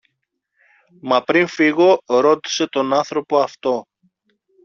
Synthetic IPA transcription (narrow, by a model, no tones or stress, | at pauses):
mɐpɾinfiɣo̞ɾo̞t̪i̥se̞t̪o̞nɐnθɾo̞po̞ɐft̪o̞